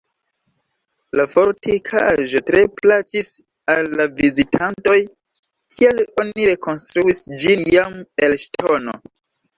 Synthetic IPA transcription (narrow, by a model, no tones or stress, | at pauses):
lafo̞ɾtikʰaʒo̞tɾe̞plat͡ʃis | alːavizitʰanto̞j | kʰielo̞niɾe̞kʰo̞nstɾuisd͡ʒinjamelʃtʰo̞no